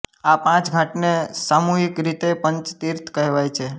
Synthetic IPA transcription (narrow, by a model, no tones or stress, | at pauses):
apãt͡ʃɡʱãʈnesamuɦikɾit̪epəɲt͡ʃt̪iɾt̪ʰkəɦʋajt͡ʃʰe